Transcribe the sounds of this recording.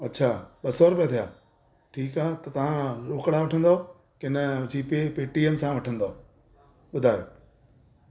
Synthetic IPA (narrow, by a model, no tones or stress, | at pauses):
ɐtːɕʰaːɓɐsoːɾʊpet̪ʰijaː | ʈʰiːkaːt̪ɐt̪ɐʋ̤ãɾoːkɽaʋɐʈʰə̃nd̪o | kɪnəʊd͡ʑʰʱipepeːʈiemsãʋɐʈʰə̃nd̪oː | ɓʊd̪ʱaːjoː